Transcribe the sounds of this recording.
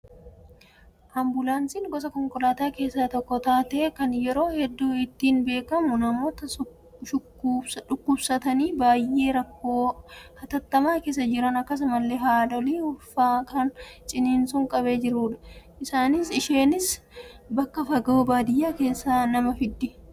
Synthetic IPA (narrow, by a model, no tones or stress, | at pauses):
ʔaːmbʊlansiːŋɡɔsɐkɔŋkɔlaːt̪aːke̞ːsːaːt̪ɔkːɔt̪aːt̪eːkɐnjɛɾo̞ːhɛd̪ːuːɪt̪ːiːnbe̞ːkɐmʊnɐmo̞ːt̪ɐ | ʃʊ | ᶑʊkːʊbsɐt̪ɐniːbaːjʔe̞ːɾɐkːoːhɐt̪ɐt̪ːɐmaːke̞ːs̬ɐd͡ʒɪɾɐnɐkːɐs̬mɐlːeːɦaːᶑɔliːʊfaːkʰɐnt͡ʃʼɪniːnsʊŋkʼɐbeːd͡ʒɪɾuːᶑɐ̥ʔɪsaːnɪsɪʃe̞ːnɪs | bɐkːɐfɐɡoːbaːd̪ɪjːaːke̞ːsːaːnɐmɐfɪd̪ːɪ